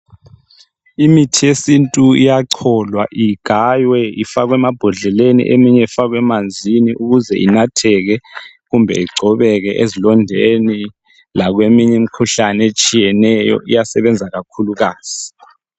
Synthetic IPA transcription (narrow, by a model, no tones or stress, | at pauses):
imitʰijesintʼuijaǀʰɔlwa̰ʔiɡ̥ʱajwɛifaɣ̬wɛmab̥ʱɔɮɛlenḭʔemiɲɛifaɣ̬wɛmand͡zʱiniʔuɣuzɛʔinatʰɛɣ̬ɛ | ɣumbʱɛ̰iɡ͡ǀʱɔβɛk̬ɛʔezilɔndʱeni | laɣ̬wemiɲɛm̩ikʰuɬanet͡ʃʼijɛnɛjɔ̰ʔijasɛβɛnd͡zʱaɣakʰuluɣaːz̥i